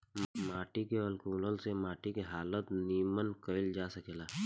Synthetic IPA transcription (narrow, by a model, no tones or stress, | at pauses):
mmaːʈikeəlkuːləlsemaːʈikeɦaːlət̪niːmənkəɪld͡ʒaːsəkeːlaː